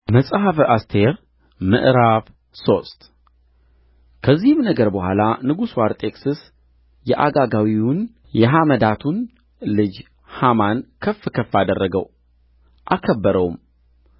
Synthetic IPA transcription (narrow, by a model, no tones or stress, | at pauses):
məsʼɦafast̪ʰe̞ɾ | mɨ̰ʔɾaβ | so̞st̪ | kʰəzːihɨmnəɡəɾbəhʷalanɨɡusuwaɾt̪ʼʰe̞ksɨs | jɛʔaɡaɡawiʊn | jɛɦaməd̪at̪ʰun | lɨd͡ʒ | hamankʰəfːɨkʰəfad̪ərːəɡəw | ʔakʰəbːəɾəwum